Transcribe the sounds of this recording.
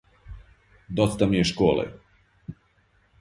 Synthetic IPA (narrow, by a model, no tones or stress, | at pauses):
d̪ot̪st̪amijeʃkoːlḛ